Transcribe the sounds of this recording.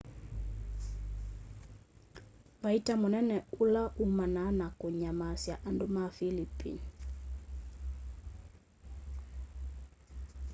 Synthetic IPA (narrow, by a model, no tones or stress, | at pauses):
waitamɔnɛnɛulaʔumananakuɲamasjaʔandumafilipḭni